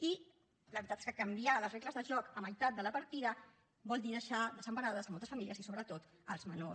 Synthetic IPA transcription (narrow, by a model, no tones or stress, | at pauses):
i | ləβɾit̪at̪e̥skəkəmbialəreɣləzðəʒɔkəməjt̪at̪̚d̪ələpəɾt̪iðə | bɔlˠd̪inəʃaðəzəmpənaðəzəmɔlˠt̪əsfəmiliəzisoβɾət̪ot̪ | əlˠzməno